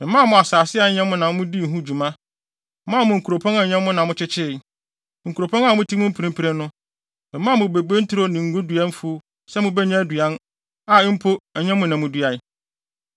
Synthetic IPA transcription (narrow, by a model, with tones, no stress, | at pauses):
mɪ̃˨mã˦mʊ̃˨a˨saː˨sɪ˦a˨˦ɲɛ̃˦m˦mʊ̃˦nã˨m̃˦mʊ̃˦di˦˨ɦũ˦˨d͡ʑu˨mã˦ | mã˦˨mʊ̃˨ŋ̩˨kʰu˨ɾo˨pʰɔ̃˦nã˨ɲɛ̃˦m˦mʊ̃˦nã˨mʊ̃˦t͡ɕɪ˦t͡ɕʰɪ˦˨ | ŋ̩˨ku˨ɾo˨pʰɔ̃˦ŋa˨˦ʊ̃˦tʰi˦mʊ̃˦m̩˦pʰɾĩ˦m˦pʰi˨ɾe˦nʊ̃˦ | mɪ̃˨mãː˦˨mʊ̃˨be˨ɡ͡be˦n̩˦tʰʊ˦ɾo˦nĩ˨ŋ̩˨ɡʊ̃˦du˨a˦nfʊ˦ | sɛ˦mʊ̃˦bɛ˦ɲã˦dɥa˦n | a˨ɪ˦m̩˦pʰo˦ɛ˨ɲɛ̃˦mʊ̃˦nã˨mʊ̃˦du˦a˨˦